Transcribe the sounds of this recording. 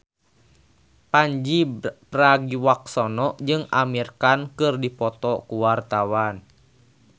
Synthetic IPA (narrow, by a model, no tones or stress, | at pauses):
paɲd͡ʒipraɡiwak̚sɔnɔʔd͡ʒɨŋamirkankɨrdipɔt̪ɔkuwart̪awan